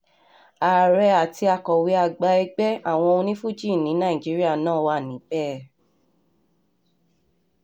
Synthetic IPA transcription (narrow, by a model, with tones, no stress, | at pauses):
a˨ɾɛ˧a˨ti˧a˧kɔ˨wi˧˦a˧ɡ͡ba˧ɛ˧ɡ͡bɛ˦a˦˨w̃ɔ̃˧õ˧nĩ˦fu˦˨d͡ʒi˦˨nĩ˨˦nã˦˨ĩ˨d͡ʒi˨˦ɾi˦a˦˨nãː˦˨wa˧˦˨nĩ˨˦bɛ˦˨